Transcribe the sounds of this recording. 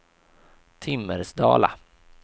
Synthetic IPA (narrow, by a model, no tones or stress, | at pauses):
t̪ʰɪmːəɾsd̪ɑ̰ːla